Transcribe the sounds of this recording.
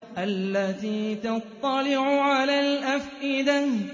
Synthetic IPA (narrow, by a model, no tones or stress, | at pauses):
ʔalːat̪iːt̪ɑt̪ˤːɑlɪʕʊʕalaːlʔafʔɪd̪a